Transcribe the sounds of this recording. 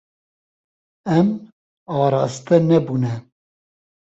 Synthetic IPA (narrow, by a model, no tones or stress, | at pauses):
ɛm | ɑːɾɑːst̪ɛnɛbuːnɛ